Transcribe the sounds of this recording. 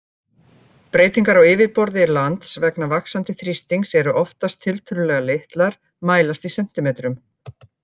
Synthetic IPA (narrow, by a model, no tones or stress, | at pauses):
pɾeːjt̪iŋkaɾawɪːvɪðpɔɾðɪɾlant̪svɛknavaksant̪ɪθɾist̪iŋksɛɾʏʔɔft̪ast̪ʰːɪlt̪ʰʏlʏlɛɣalejht̪laɾ̥ | maːjlast̪isɛm̥t̪ɪmɛːt̪ɾʏm